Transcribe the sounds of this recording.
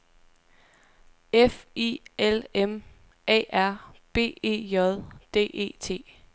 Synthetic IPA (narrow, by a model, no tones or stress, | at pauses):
efielem | ɛ̰ːʔæɐ̰b̥e̝̰ːe̝̰ːjɒðˠd̥e̝̰ːʔe̝̰ːt͡sʰe̝̰ː